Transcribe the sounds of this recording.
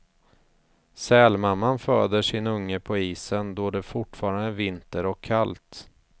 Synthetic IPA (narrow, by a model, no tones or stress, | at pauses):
sɛːlmamːanfœːd̪əʂɪnɵŋːəpʰɔiːsənd̪ɔd̪ɛfʊʈfɑːɾand̪əvɪnt̪əɾɔkʰːalt̪